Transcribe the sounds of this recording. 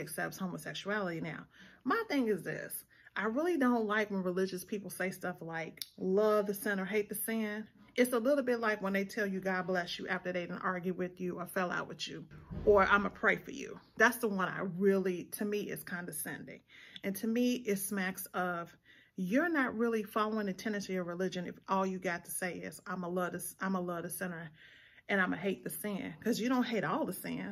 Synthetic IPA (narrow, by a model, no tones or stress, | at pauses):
ɨksɛp̚shõʊ̃məsɛkʃuælˠəɾinaʊmaɪθɪ̃ŋɨzðɪ̰s | ʔaɪɹɪlˠidõʊ̃nʔlaɪkwə̃nɹilɪd͡ʒɨspʰipl̩ˠseɪstʌflaɪklʌvðɨsɛ̃nə˞ɦeɪt̪̚ðɨsɪ̃n | ʔɨtsəlɪɾl̩ˠbɪtˡlaɪkwə̃nðeɪtʰɛlˠjɨɡɑɾəblɛsɨʔæftə˞ðeɪɾ̃n̩ʔɑɹɡjʉwɪðjʉaɪfɛlˠa̰ʊʔ̚wɨðʉʔə˞ʔã̰ɪ̃məpʰɹ̥eɪfə̰˞jʉ̰ðætsðəwʌ̃na̰ɪɹɪlˠitʰɨmiɪ̰tz̥kʰãɪ̃ndɨsɛ̰̃ndɪ̰̃ŋɨ̃ntʰɨmiɪtsmæksʌv̥ | jə˞nɨt̚ɹɪlˠifɑlˠoʊɪ̃ŋɨtʰɛ̃nɨ̃tʰɨə˞ɹɨlɪd͡ʒɨ̃nɨ̰fʔɔlˠjɨɡɑtʰə̥seɪɪ̰z̥ãɪ̃məlʌdɨsʔãɪ̃məlʌðɨsɛ̃nə˞ | ʔɨ̃ñãɪ̃mɨɦeɪt̪̚ðɨsæ̃nkʰʌzjɨɾõʊ̃nɦeɪɾɔlˠðəsæ̰̃n